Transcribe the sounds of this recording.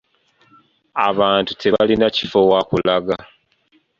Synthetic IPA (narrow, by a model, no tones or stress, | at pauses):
a̰βaːntutʰe̞βalinaci̥fo̞wakulaɡa